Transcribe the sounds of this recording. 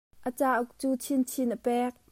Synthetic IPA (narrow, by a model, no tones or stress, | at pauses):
ʔət͡saːʔʊk̚t͡suːt͡sʰint͡sʰinʔəpɛk̚